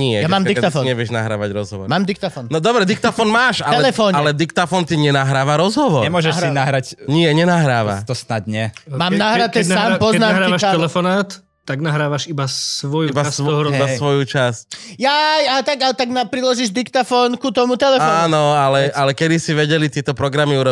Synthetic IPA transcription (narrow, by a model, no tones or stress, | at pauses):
ɲɪɛjamaːmd̪ikɛt̪afɔːɲɛʋɪɛʒnaɦɾa̰ːʋaɟɾɔzɦɔʋɔ̰ɾmaːmd̪ik̚t̪afɔːnnɔd̪ɔbɾɛd̪ikt̪afɔːnmaːʃaɛlɛlɛfɔːɲalɛd̪ikt̪afɔnt̪iɲɛnaɦɾaːʋaɾɔzɦɔʋɔɾɛmʊɔʒɛinaɦɾacɲɪɛɲɛnaɦɾaːʋa̰t̪ɔsnadɲɛmaːmnaːɦɾɾat̪ɛnaːmpɔznaːmaɦɾaːiʋaʃɛlɛfɔnaːt̪ | t̪ːaɡnaɦɾaːʋaʃibassʋɔjuibasʋɔiasʋɔjut͡ʃascjajat̪aɡalt̪aɡnapɾilɔʒiʒd̪ikt̪afɔːnkut̪ɔmut̪ɛlɛɔaːnɔalɛʔalɛkɛd̪isiʋɛɟɛlit̪ɪɛt̪ɔpɾɔɡɾamiuɾɔ